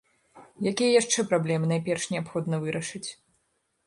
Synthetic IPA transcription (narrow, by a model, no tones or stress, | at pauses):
jakʲijɐjaʂt͡ʂɛpɾablʲɛmɨnajpʲɛrʂnʲɛapxɔd̪nɐvɨɾɐʂɨt͡sʲ